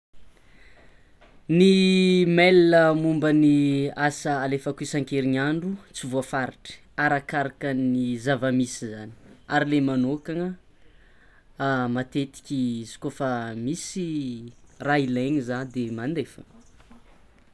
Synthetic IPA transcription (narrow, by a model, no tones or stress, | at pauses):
nimeləmumbəniasəalefəkuisaŋkeɾiɲaɳɖ͡ʐut͡sivuafaɾiʈ͡ʂə̥ | aɾakaɾakənizavəmisizani̥aɾilemanokaŋə | mat̪et̪i̥kʲizi̥kofəmisi | raileɲizad̪emand̪efə̥̰